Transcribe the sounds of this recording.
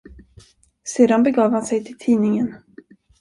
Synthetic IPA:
seːd̪anbɛɡɑːvhansɛjt̪ʰɪlt̪ʰiːnɪŋən

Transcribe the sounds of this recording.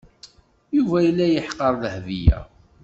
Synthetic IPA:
juvæjəlːæjəħqəɾˤðəhvijæ̰

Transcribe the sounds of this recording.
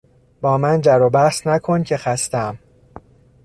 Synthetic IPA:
b̥ɒːmænd͡ʒæɾobæsnækʰo̞ncʰe̞xæst̪æm

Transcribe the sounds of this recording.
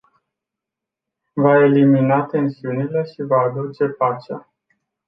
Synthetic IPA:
vae̞liminat̪e̞nsiunile̞ʃivaːd̪ut͡ʃe̞pat͡ʃea̰

